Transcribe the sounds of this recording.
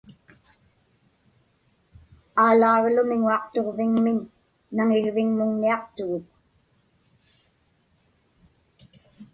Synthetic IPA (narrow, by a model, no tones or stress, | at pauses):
aːlaːɣlʊmɪŋuɑqt̪o̞ʁvɪŋmɪnː | aŋɪɻvɪŋmʊŋniɑqt̪ʊɣʊk̚